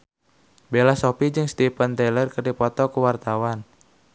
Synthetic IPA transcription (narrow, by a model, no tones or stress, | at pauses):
belasopid͡ʒɨŋst̪ipənt̪ɛlərkərdipɔt̪ɔkuwart̪awan